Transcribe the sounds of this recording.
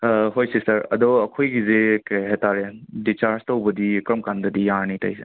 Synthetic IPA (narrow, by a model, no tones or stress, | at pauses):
ɦojsesɐɾɐdɔɐkʰojɡizekajɦetaɾedit͡ʃaɾztɐwbɐdikɾɐmkandɐdijaɾnitɐ̰jse